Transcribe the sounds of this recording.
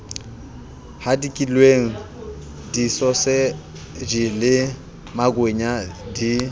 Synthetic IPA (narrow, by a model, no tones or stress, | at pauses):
hadikʼilweŋ̩ | disɔsɪ | d͡ʒilɪ | maɡweɲadi